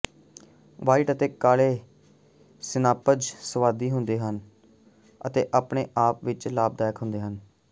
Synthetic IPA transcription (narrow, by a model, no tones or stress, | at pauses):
ʋaːiːʈət̪eːkaːleː | sɪnaːpəd͡ʒsəʋaːd̪iːɦʊnd̪eːɦən | ət̪eːʔaːpɳeːʔaːpʋɪt͡ʃlaːb̚d̪aːjkʰɦʊ̃nd̪eːɦən